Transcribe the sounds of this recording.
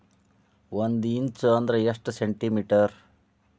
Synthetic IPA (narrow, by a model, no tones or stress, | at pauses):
ʋond̪int͡ʃɨɐnd̪ɾɐesʈseɳʈimiʈɐɾ